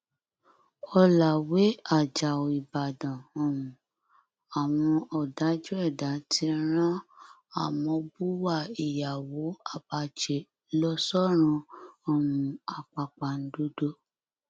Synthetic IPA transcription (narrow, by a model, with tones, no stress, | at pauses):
ɔ˧la˨we˨˦a˦˨d͡ʒa˨o˨i˨ba˨dã˨o˦˨wũ˨ | a˨w̃ɔ̃˧ʔɔ˨da˨˦d͡ʒu˦ɛ˦˨da˨˦ti˧˦ɾ̃ã˦ | a˦˨mɔ̃˧bu˦wa˦˨i˨ja˨wo˨˦a˦˨ba˧t͡ʃe˨ | lɔ˦sɔ˦ɾ̃ũ˧o˦˨mũ˨˦a˨k͡pa˨k͡pa˨n̩˦do˦do˦